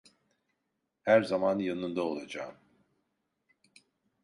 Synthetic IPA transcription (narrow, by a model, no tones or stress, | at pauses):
hæɾzamanjanɯnd̪ao̞lˠad͡ʒaːm